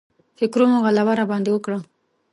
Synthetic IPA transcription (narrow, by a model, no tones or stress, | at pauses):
fɪkɾomoɣalawaɾabɑnd̪ewəkɽa